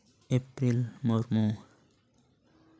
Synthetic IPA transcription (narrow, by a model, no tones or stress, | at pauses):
epɾilmoɾmũ